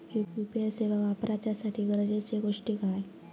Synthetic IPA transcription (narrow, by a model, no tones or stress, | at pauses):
jupjupieseʋaʋapɾʔat͡ɕasaʈʰiːɡəɾd͡ʑet͡ɕeɡoʂʈiːkaj